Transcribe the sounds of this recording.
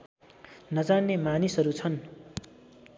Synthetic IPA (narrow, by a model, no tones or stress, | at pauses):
nʌd͡zanːemanisʌɾut͡sʰʌn